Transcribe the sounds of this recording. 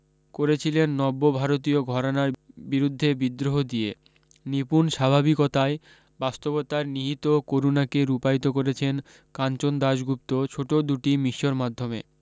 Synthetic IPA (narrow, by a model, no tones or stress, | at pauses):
koɾet͡ɕʰilenːɔbːobʱaɾot̪ioɡʱɔɾonaɾbiɾud̪ʱːebid̪ɾoɦod̪ie | nipunʃabʱabikot̪ae | bast̪obot̪aɾniɦit̪okoɾunakeɾupajt̪okoɾet͡ɕʰen | kant͡ɕond̪aʃɡup̚t̪ot͡ɕʰoʈod̪uʈimiʃːoɾmad̪ʱːomḛ